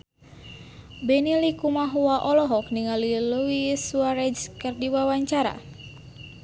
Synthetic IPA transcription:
bɛnilikumaɦuaʔɔlɔɦɔk̚niŋaliluisuwaɾɛd͡ʒkɨrdiwawaɲt͡ʃaɾa̰

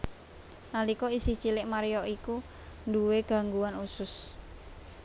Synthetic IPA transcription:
nalikɔisɪht͡ʃilɪʔmaɾijɔʔiku | nduweɡ̥a̤ŋɡuanusʊs

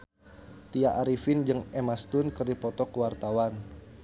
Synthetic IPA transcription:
t̪iaʔaɾifɪnd͡ʒɨŋɛmast̪ʊnkɨərdipɔt̪ɔkəwart̪awan

